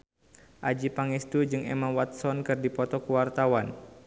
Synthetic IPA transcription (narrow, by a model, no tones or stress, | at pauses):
ʔad͡ʒipaŋɛst̪ud͡ʒɨŋḛmawat̪̚sɔnkɨrdipɔt̪ɔkuwart̪awan